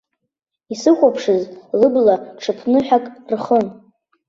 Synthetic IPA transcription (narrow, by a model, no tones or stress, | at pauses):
isɨχʷapʰʂɨzlɨblaʈ͡ʂʰɨpʰnɨħakʼrχən